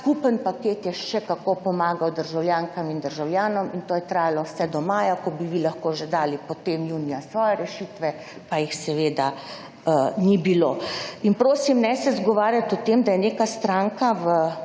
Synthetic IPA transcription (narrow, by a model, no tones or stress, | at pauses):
skupənpakeːt̪jɛʃɛkakopɔmaːɡawd̪əɾʒawljaːŋkamind̪əɾʒawljaːnɔmint̪oːjɛt̪ɾaːjalɔwsɛd̪ɔmaːjakɔbiʋilaxkoːʒɛd̪aːlipɔt̪emjuːnijasʋɔːjɛɾɛʃit̪ʋɛ | pajixsɛʋeːd̪a | nibiloinpɾoːsimnɛsɛzɡɔʋaːɾjat̪ɔt̪emd̪ajɛneːkast̪ɾaŋkaʋə